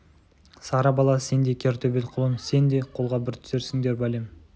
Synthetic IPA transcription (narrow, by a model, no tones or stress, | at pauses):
sɑɾɑbɑlˠɑse̞nd̪e̞kʲʰeɾt̪ʰɵbet̪qʰʊlˠəmse̞nd̪e̞qʰo̞lˠʁɑbɪɾt̪ʰʏ̥se̞ɾsɪŋd̪e̞ɾbælem